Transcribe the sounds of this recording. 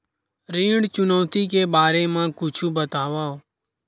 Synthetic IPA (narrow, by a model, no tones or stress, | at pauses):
ɾĩːɽt͡ʃʊnəʋt̪iːkeːbaːɾeːmãːkʊt͡ʃʰuːbət̪aːʋaːoː